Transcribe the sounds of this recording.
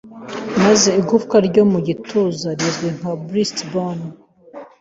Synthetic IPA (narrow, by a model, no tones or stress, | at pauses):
maze̞iɡufkaɾɟo̞muɟitʰozaɾizɡweŋ̥abɾistbon